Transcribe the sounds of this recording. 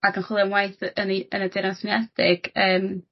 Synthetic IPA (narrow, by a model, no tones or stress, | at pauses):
aɡənχwɪlˠamwajθəniənədɪɾɔsɪnɛd̥ɪɡ̥əːm